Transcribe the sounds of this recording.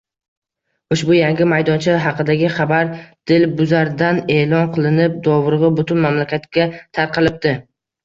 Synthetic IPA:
ʊʃbʊjaŋɡʲɪmajd̪ɒnt͡ʃʰɪɦɑqʰɨd̪aɡʲɪχɑbaɾd̪̥ɪlbʊzaɾd̪ane̞ːlˠɒnqʰɨlˠɪnɪp̚d̪ɒvɾɨʁɨbʊt̪ʰʊnmamlakʲat̪kʲat̪ʰaɾqʰɨlˠɪp̚d̪̥ɪ

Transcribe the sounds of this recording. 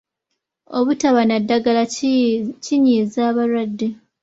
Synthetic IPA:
oβutaβanadːaɡala | ciɲiːzaːβalwadːe

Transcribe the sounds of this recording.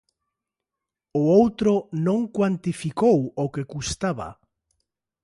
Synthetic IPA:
ʊowt̪ɾʊnõŋkwant̪ifikowokekust̪aβa̰

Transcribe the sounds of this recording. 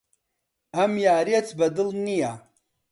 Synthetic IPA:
ɐmjaːɾiet͡sʰbɐd̪ɨlnija

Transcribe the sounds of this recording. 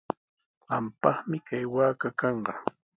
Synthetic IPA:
ɢɑmpɑχmɪkajwaːkakɑɴɢɑ

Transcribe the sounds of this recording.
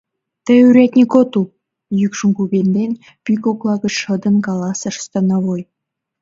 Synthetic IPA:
t̪ĕyɾʲæt̪ʲnʲikot̪u | jykʲʃumkubʲenʲd̪enʲ | pykoklˠɑɡɤ̆t͡ɕʃɤ̆d̪ɤ̆nkɑlˠɑsɑ̆ʃə̥̆st̪ɑnɑβoj

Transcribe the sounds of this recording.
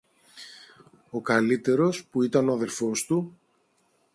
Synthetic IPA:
o̞kɐlit̪e̞ɾo̞spuit̪ɐno̞ɐðe̞ɾfo̞st̪u

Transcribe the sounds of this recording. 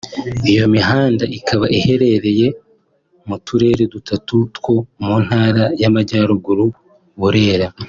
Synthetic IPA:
ijo̞miɦaːndaʔikʰaβaʔihe̞ɾe̞ɾe̞je̞ | mutuɾe̞ːɾe̞dutatutwo̞mun̥haːɾajamaɟaːɾuɡuɾu | βuɾe̞ːɾa

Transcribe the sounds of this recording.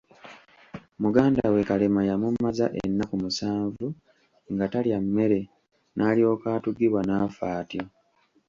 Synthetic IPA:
muɡaːnda̰we̞kalemajamumːazaʔḛnːakumusaːɱvu | ŋɡataljamːe̞ɾe̞ | nʔaːlio̞ːkaːtuɡiβwanaːfaːtjo̞

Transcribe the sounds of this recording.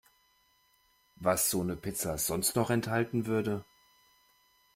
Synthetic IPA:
vasz̥oːnəpʰɪt͡saz̥ɔnstnɔχɛnthaltn̩vʏɐdə

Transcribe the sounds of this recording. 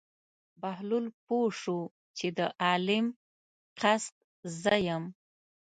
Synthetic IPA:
bahlulpoʂu | t͡ʃed̪əʔɑlɪm | qast̪̚ | zəjəm

